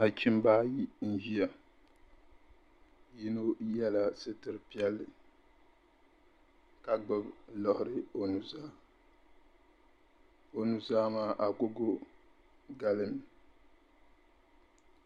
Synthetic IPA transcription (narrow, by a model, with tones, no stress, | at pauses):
a˨t͡ʃi˦m˦baː˦ji˦n̩˦ʒi˦ja˨ | ji˦no˦jɛ˦la˨sɨ˦tɨ˨ɾɨ˨pi˦ɛ˦lːɨ˨ | ka˨ɡ͡bɨ˦blɔ˨hʊ˨ɾɨ˦o˦nu˨zaː˦ | o˨nu˨zaː˦maː˦ʔa˨ko˦ɡo˦ | ɡa˦˨lɨ˦n˨